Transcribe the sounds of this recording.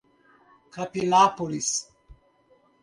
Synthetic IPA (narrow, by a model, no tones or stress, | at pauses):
kapinapolis